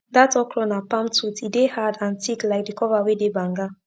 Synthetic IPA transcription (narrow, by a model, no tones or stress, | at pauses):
datɔkɹɔnapãmtutidehadãntiklaɪk̚dikʰɔvawedebãŋɡa